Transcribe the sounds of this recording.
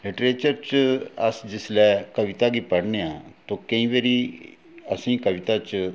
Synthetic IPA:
lɪʈɾeːt͡ʃəɾt͡ʃəsd͡ʒɪslɛːkəʋɪt̪aɡiːpəɽneãːt̪okə̃ĩʋeɾi | əsĩːkəʋɪt̪at͡ʃ

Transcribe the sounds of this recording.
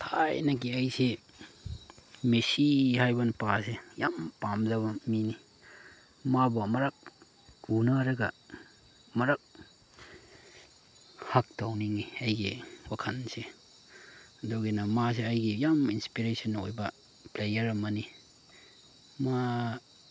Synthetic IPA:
tʰajnɐɡiɐjse | mesihajbɐnɐpasejampamzɐβɐmini | mabɐmɐɾak̚ | unaɾɐɡɐ̰ | mɐɾak̚ | hak̚tawniŋiɐjɡiwakʰɐnse | doɡinɐmas̬eɐjɡijaminspiɾesɐnːojbɐ | plejɐɾɐmɐni | ma

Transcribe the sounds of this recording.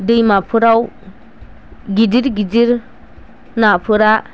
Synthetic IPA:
dɯjmapʰɯɾaw | ɡidiɾɡidiɾ | napʰɯɾa

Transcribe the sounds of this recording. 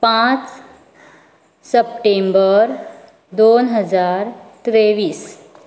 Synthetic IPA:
pãt͡s | səp̚ʈembəɾ | d̪onɦəd͡zaɾt̪ɾeʋiːs

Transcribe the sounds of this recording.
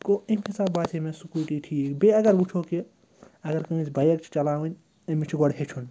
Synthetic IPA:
koimisaːbbaːt͡ʃʰemẽsukʲuɾʈiʈʰiːkbeɐɡɐɾbut͡ʃʰoki | ɐɡɐɾkɐĩsbɐjɐkt͡ʃʰi̥t͡ʃɐlaːʋɐnʲ | ɐmit͡ʃʰiɡoɽɦet͡ʃʰun

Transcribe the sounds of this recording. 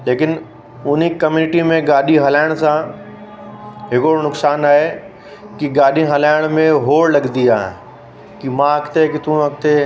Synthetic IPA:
leːkɪn | ʊnikɐmjuːnɪʈimẽɡaːɗiɦɐlaːɪɽ̃sã | ɦɪkonʊksaːnaːɦe | kiɡaːɗiɦɐlaːɪɽ̃mẽɦoːɽlɐɠd̪id͡ʒaːɦḛ̃ | kimãɐkt̪ekit̪ũɐk̚t̪e

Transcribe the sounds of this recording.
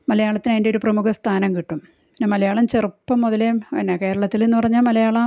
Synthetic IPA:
mɐlɐjaːɭɐt̪ːinɐjindeoɾuprɐmukʰɐst̪ʰaːnɐmkiʈːum | penːemɐlɐjaːɭɐmt͡ɕerupːɐmːoðɐleɐnːeke̞ːɾɐɭɐt̪ːilenːupɐrɐɲːaːlmɐlɐjaːɭɐ

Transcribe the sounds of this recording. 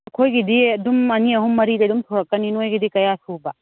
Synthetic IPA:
ɐkʰojɡidiɐdumɐniɐɦumːɐɾidedumtʰɔɾakːaninojɡidikɐjasuba

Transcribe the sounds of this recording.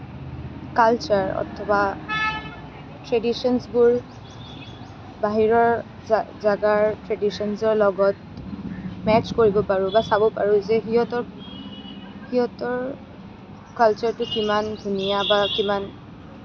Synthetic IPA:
kalt͡ʃaɹɔ̰tʰɔba | tɹɛdisɔnsbʊɹ | baɦiɹɔɹ | zaɡaɹtɹɛdisɔnzɔɹlɔɡɔt | mɛt͡ʃkoɹibɔpaɹʊ̃basabɔpaɹʊ̃zɛɦiɦɔtɔ | hiɦɔtɔɹ | kalt͡ʃɔɹtʊkimandʱunijabakiman

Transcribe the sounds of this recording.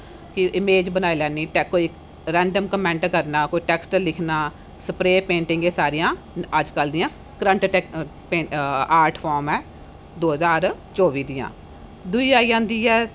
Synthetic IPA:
kɪʔɪmeːd͡ʒbənaːiːlɛːniːʈɛkoːi | ɾɛ̃ːɳɖəmkəmɛ̃ːɳʈkəɾnaːkoːiːʈɛːksʈlɪkʰnaː | səpɾeːpẽːɳʈɪ̃ŋɡeːsaːɾɪjãː | əd͡ʒkəld̪ɪjãː | kɾə̃ɳʈ | peaːɾʈʰpʰɔːɾmɛː | d̪oːɦəzaːɾt͡ʃɔːʋiːd̪ɪjã̰ː | d̪ʊiːaːiːãːnd̪iːɛː

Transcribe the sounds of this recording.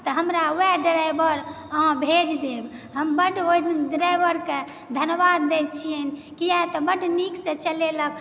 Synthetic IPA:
t̪ɔɦəmɾauɛɖɾajbəɾ̃ | bʱed͡ʒd̪ebɦəmbəʈojd̪nɖɾajbəɾke | d̪ʱənbad̪ːet͡ʃʰienkiat̪ɔbəʈniksẽt͡ʃəleləkʰ

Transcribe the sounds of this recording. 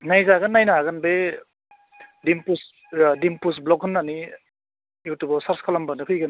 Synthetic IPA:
najzaɡɐnːajnaɡɐnbe | dimpus | dimpus̬blɔkɦɯnːani | juwtubɔsaɾskʰalambanɯkʰɯjɡɯn

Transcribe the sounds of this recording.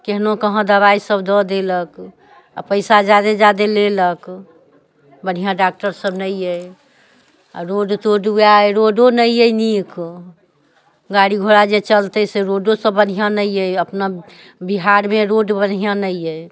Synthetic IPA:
keɦnokəɦə̃d̪əβaisəbd̪ɔd̪elək | a̰pəɪsad͡ʒad̪ed͡ʒad̪elelək | bən̤ijãɖak̚ʈəɾsəbnəje | a̰ɾoɖt̪oɖujaeɾoɖonəjjənik | ɡaɽiɡʱoɽad͡ʒet͡ʃəlt̪əseɾoɖosəbːənijãnəjeəpna | biɦaɾmeɾoɖbən̤ijãnəje

